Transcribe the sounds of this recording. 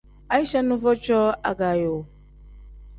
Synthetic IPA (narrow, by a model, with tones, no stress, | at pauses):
a˨˦i˦ʃɛ˦nũ˦vɔ˦t͡ʃɔ˦a̰˨ɡa˨jo˨